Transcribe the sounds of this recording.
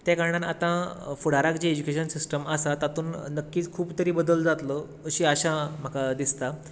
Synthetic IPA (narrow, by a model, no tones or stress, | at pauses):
t̪jakaɾɳanat̪ãfuɽ̤aɾakd͡ʑeed͡ʑukeɕənsisʈəmasat̪at̪uːnnəkːiːt͡skʰuːbt̪əɾiːbəd̪əld͡zat̪lə | əɕiːaɕãm̤akad̪ist̪a